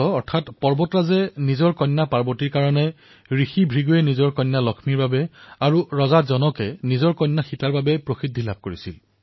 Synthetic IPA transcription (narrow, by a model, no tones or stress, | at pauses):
ɔɔɹtʰatpɔɹbɔtɹazɛnizɔɹkɔjnːapaɹbɔtiɹkaɹɔnɛ | ɹixibʱɹiɡujɛnizɔɹkɔjnːalɔkʰmiɹbabɛaɹuɹɔzazɔnɔkɛnizɔɹkɔjnːaxitaɹbabɛpɹoxidʱːilab̚koɹisḭl